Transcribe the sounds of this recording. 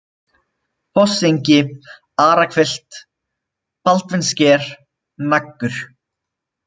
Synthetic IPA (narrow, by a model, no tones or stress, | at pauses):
pɔsejɲcɪ | aːɾakʰfɪl̥t̪ | palt̪vɪnscɛːɾ̥ | nakːʏɾ̥